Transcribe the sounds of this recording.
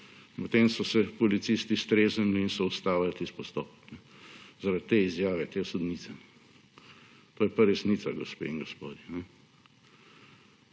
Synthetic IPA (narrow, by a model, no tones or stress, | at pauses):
pɔt̪eːmsɔsɛpɔlit̪sist̪ist̪ɾeːzənliːnsɔust̪aːwlat̪ispɔst̪ɔ̰ːpknɛ | zaɾat̪ːeːizjaːʋɛt̪eːsɔd̪nit̪sɛnɛ | t̪oːjɛpaɾɛsnit̪saɡɔspḛːiŋɡɔspoːd̪jɛnɛ